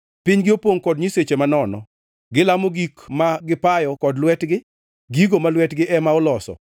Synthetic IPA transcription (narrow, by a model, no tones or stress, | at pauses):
pɪɲɡɪopoŋkɔdɲiset͡ʃemanɔnɔ̰ | ɡɪlamoɡikmaɡɪpajɔkɔdlwɛtɡɪ | ɡiɡomalwɛtɡɪʔɛmaɔlɔsɔ̰